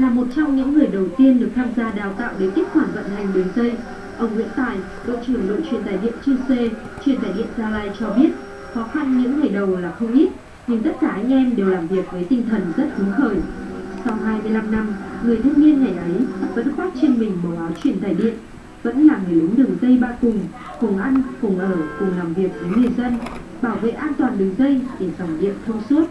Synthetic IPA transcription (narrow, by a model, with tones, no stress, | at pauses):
vaː˨˩mo˨˩t̚t͡ɕɔ˧wŋ͡mɲɨ̰˧˥ŋːɨ˨˩əjɗə˨˩wt̪i˧ənɗɨ˨˩ək̪̚ʰaː˧mzaː˧ɗaː˨˩wt̪a̰ː˧˨wɗe˨˦k̪i˦˥t̚hʰwaː˧˩nvə̰˧˨nha˨˩jŋ̟ɗɨ˨˩əŋzə˧j | ʔə˧wŋ͡mŋḭ˧˥ənt̪aː˨˩j | ko̰˧˨t͡ɕɨ˧˩əŋlo̰˧˨t͡ɕwi˨˩ənt̪aː˨˩jɗḭ˧˨ənt͡ɕɨ˧wse˧ | t͡ɕwi˧˩ənt̪ʰaː˨˩jɗḭ˧˨ənzaː˧laː˧jt͡ɕɔ˧ɓi˦˥ət̚ | xɔ˨˦xa˧nɲɨ̰˧˥ŋːɨ˨˩əjɗə˨˩wlaː˨˩xə˧wŋ͡mʔi˦˥t̚ | ɲɨ˧˩ŋt̪ə˦˥t̚kaː˧˩ʔa˧jŋ̟ʔɛ˧mɗe˨˩wlaː˨˩mvi˨˩ək̚vəː˨˦jt̪ï˧ŋ̟t̪ʰə˨˩nzə˦˥t̚xɨ˨˦ŋxəː˧˩j | sa˧wɦaː˧jmɨ˧əjla˧mna˧mŋɨ˨˩əjt̪ʰɨ˧ŋni˧ənŋa˨˩jʔə˨˦ja˨˩və̰˧˥nxaː˦˥k̚t͡ɕe˧nmï˨˩ŋ̟ɓoː˨˩ɓaː˨˦wt͡ɕwi˧˩ənt̪ʰaː˧˩jɗḭ˧˨ən | və̰˧˥nlaː˨˩mŋɨ˨˩jlɨ˨˦ŋ͡mɗɨ˨˩əŋzə˧jɓa̰ː˧˨kʊ˨˩ŋ͡m | fʊ˨˧˩ŋʔa˧jŋ̟fʊ˨˧˩ŋ͡mʔəː˧˩kʊ˨˩ŋ͡mlaː˨˩mvi˨˩ək̚vəː˨˦jŋɨ˨˩əjzə˧n | ɓaː˧˩wvḛ˧˨ʔaː˧nt̪waː˨˩nɗɨ˨˩əŋzə˧jt̪i˨˩fa˧˩ŋ͡mɗḭ˧˨ənt̪ʰə˧wŋ͡msu˦˥ət̚